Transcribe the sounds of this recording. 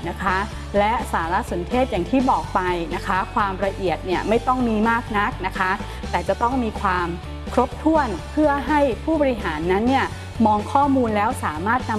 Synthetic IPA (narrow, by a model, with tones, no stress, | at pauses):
na˦˥kʰa˦˥ | lɛ˦˥saː˩˦ɾa˦˥so˩˦nt̪ʰeː˥˩t̪̚ja˨˩ŋt̪ʰiː˥˩bɔː˨˩k̚pa˧jna˦˥kʰa˦˥kʰwaː˧mɾa˧ʔi˨˩ət̪̚ni˥˩ɐma˥˩jt̪ɔ˥˩ŋmiː˧maː˥˩k̚na˦˥k̚na˦˥kʰa˦˥ | t̪ɛː˨˩t͡ɕa˨˩t̪ɔ˥˩ŋmiː˧kʰwaː˧m | kʰɾo˦˥p̚t̪ʰu˥˩ənpʰɯ˥˩əɦa˥˩jpʰuː˥˩bɔ˧ɾi˦˥ɦaː˩˦nːa˦˥nːi˥˩ɐ | mɔː˧ŋkʰɔː˥˩muː˧nlɛː˦˥wsaː˩˦maː˥˩t̪̚na˧